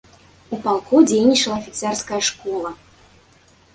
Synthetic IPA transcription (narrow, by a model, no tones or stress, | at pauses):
upalˠkɔd͡zʲejnʲit͡ʂɐlˠɐːfʲit̪sɛrskɐjɐʂkɔlˠɐ